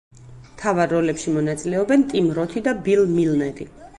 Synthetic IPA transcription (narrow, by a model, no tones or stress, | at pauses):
mt̪ʰavaɾːɔlɛpʃimɔnat̪sʼilɛɔbɛnt̪ʼimɾɔt̪ʰid̪abilˠmilnɛɾi